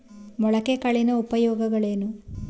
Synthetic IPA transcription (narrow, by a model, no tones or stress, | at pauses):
mɔɭɐkekɐɭinɐupɐjɔːɡɐɡɐɭeːnu